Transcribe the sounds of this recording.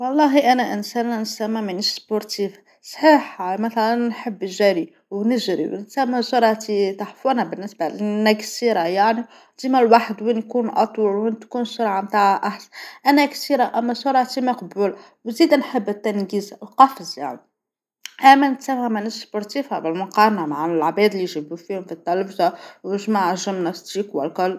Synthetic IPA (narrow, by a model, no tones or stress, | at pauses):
wɑlˤːɑɦiʔænæʔənsænːænsæmːamənəʃspʊɾt̪if | sˤħiħmæθælænːħəbːʒæɾi | wnəʒɾḭwnət̪sæmːæsʊɾˤʕat̪it̪aħfwænæbənːəsbalnːæksiɾajaʕni | d̪̥imælwaħəd̪winkunʔɑ̰t̪ˤwɑlwint̪kunsʊɾʕamt̪aʕʔaħsæ̥ʔænæksiːɾaʔæmːæsʊɾˤʕat̪imæqbuːl | wziːd̪ænħəbːət̪ːænɡiːzlqɑfzja̰ʕni | ʔæmːænət̪sæmhæmənəsspʊɾˤt̪iːfhabəlmʊqɑɾˤnamaʕlʕbɛːd̪liʒibufihʊmfit̪ːælfzawəʒmaʕʒəmnɑst̪iːkwə̰lkʊlː